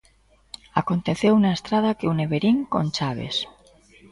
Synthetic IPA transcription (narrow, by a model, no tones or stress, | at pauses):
ako̞nt̪eθewunaest̪ɾaðakeuneβeɾiŋko̰nʲt͡ʃaβ̞ḛs